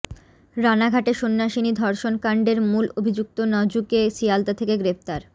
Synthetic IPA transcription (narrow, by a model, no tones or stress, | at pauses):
ɾanaɡʱaʈeʃonːaʃinid̪ʱɔɾʃonkaɳɖeɾmulobʱid͡ʑuk̚t̪onɔd͡ʑukesijalt̪at̪ʰekeɡɾept̪aɾ